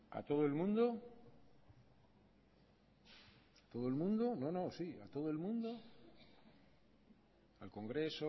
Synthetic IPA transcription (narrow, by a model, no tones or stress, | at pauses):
a̰t̪o̞ð̞oelmũnd̪o | at̪o̞ð̞oelmũnd̪onõ̞nõsia̰t̪o̞ð̞oelmũnd̪o | alko̞ŋɡɾe̞so